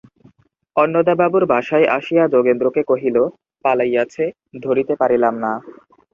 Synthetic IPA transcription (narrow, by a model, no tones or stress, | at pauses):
ɔnːod̪ababuɾbʱaʃaeʔa̰ʃijad͡ʑoɡend̪ɾokekoɦilo | palajat͡ɕʰe | d̪ʱoɾit̪epaɾilamna